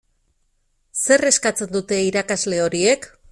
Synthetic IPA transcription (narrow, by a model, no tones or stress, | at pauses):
se̞re̞skat͡se̞nd̪ut̪e̞iɾakazle̞o̞ɾie̞k